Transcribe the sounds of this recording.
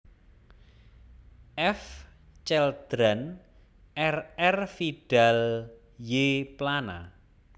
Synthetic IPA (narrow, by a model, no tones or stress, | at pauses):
ʔɛf | t͡ʃɛld̪̥ɾan | ʔɛrɛrfiɖ̥al | jeplana̰